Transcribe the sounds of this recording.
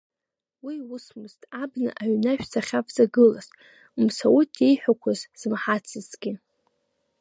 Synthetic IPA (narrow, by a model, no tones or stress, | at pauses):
wiwusmɨztʼabnɨ̰ʔaɥnaʃᶣsʰaχʲapʰʼzaɡɨlazʼ | umsawutʰʼejħʷᶣakʷʰazz̥mħat͡sʰɨzɡʲɪ